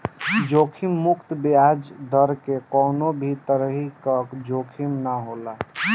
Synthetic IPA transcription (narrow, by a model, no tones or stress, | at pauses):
d͡ʒokʰimːukt̪biad͡ʒd̪əɾkekɔnobʱit̪əɾəɦikəkd͡ʒokʰimnaɦola